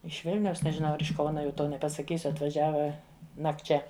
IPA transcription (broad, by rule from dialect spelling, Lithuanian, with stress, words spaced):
ɪʃ ˈʋʲɪlʲnʲɛʊs nʲɛʒʲɪˈnɐʊ ˈɐr ɪʃ ˈkɐʊnɐ jɛʊ ˈtoː nʲɛpɐsɐˈkʲiːsʲʊ ɐtʋɐˈʒʲæːʋɐ nɐkˈt͡ʃʲɛ